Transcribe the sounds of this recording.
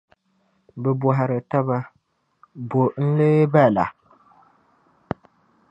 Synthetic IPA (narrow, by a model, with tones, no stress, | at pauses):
bɛ˨bɔ˨ɦa˨ɾɨ˨ta˦ba˦ | bo˨n̩˦leː˦ba˦˨la˨